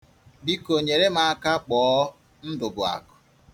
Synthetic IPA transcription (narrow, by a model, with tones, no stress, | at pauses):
bi˦ko˨ɲe˨ɾe˦ma˨a˦ka˦k͡pɔː˨˦ | n̩˦dʊ˨ɡʊ˨a̰˨kʊ̥˨